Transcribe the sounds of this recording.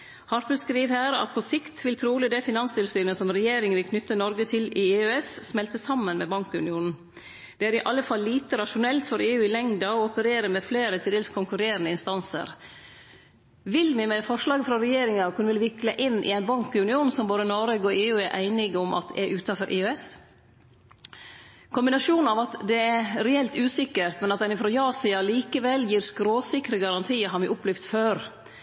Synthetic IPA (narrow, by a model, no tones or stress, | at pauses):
hɑɾpəskɾiːʋhæːɾɑ̰t̪̚pʰɔsɪkt̪ʰʋɪlt̪ʰɾuːlɪd̪æɪfɪnɑnst̪ʰɪlsyːnəsɔmɾɛjeːɾɪŋəʋɪlkʰnʏt̪ːənɔɾɡət̪ʰɪlɪːøɛssmɛlt̪əsɑmːənmɛbɑŋkʉ̰nɪuːnn̩ | d̪̥ɛæːɾɪʔɑlːəfɑlːiːt̪əɾɑʃʊnɛlt̪fɔɾeːʉːɪlɛŋd̪ɑɔɔpəɾeːɾəmɛfleːɾət̪ʰɪld̪eːlskʰʊŋkʉɾeːɾənəɪnst̪ɑnsə̰ɾ | ʋɪlmɪmɛfɔʂlɑːɡəfɾɑɾɛjeːɾɪŋɑkʰʉnəʋɪlʋɪkləʔɪnːʔɪ̰ɛɪnbɑŋkɪʉnɪuːnn̩sɔmboːd̪ənɔɾeːɡɔeːʉːæɾʔæ̰ɪnɪɡʊmʔɑ̰t̪ʔæ̰ʔʉːt̪ɑfɔɾʔeːɛs | kʰʊmbɪnɑʂuːn̩ɑʋɑt̪d̪ɛæɾɛɛlt̪ʉːsɪkːəɾt̪mɛnɑt̪̚d̪ɛnɪfɾɔjɑːsɪɑliːkəʋɛlːjiːɾskɾoːsɪkɾəɡɑɾɑnt̪ʰiːəɾɦɑːɾmɪʔʊpːlɪfd̪t̪føːɾ